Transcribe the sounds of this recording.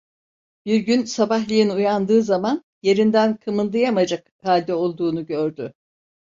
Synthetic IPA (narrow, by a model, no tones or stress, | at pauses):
b̥iɾɟynsabaɦlʲˠijinujand̪ɯːzaman | je̞ɾind̪ænkʰɯmɯnd̪ɯjamad͡ʒak | halʲd̪ɛo̞lˠd̪uːnuɟø̞ɾd̪y